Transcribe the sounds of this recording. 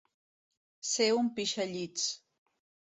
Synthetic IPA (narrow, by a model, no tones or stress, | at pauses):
seʊmpɪʃaʎit͡s